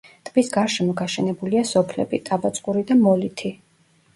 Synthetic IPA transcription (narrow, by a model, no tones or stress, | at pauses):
t̪ʼbisɡaɾʃɛmɔɡaʃɛnɛbuliasɔpʰlɛ̰bit̪ʼabat̪sʼqʼuɾid̪amɔlit̪ʰi